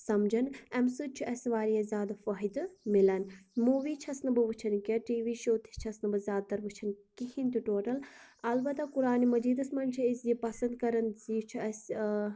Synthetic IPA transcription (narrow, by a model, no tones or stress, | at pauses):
sɐmd͡ʒɐnɛmsut͡ʃʰiɐsʋaːɾijɐzʲaːd̪afɐɦid̪milɐnmuːʋiːt͡ʃʰɐsnɐbɨʋɨt͡ʃʰɐnkʲɐʈiːʋiːʃoːt̪ʰi̥t͡ʃʰɐsnɨbɨzʲaːd̪̚t̪ːɐɾʋɨt͡ʃʰɐnkihint̪iʈoːʈɐlɐlbɐt̪akuɾaːnimɐd͡ʒiːd̪ɐsmɐnt͡ʃʰiisjipɐsɐnd̪̚kɐɾɐnziːt͡ʃʰiɐs